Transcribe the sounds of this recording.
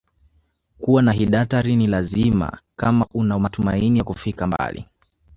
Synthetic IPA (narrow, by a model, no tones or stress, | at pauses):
kuwanaɦiɗataɾinilazima̰kamaʔunamatumainijakufikamba̰lḭ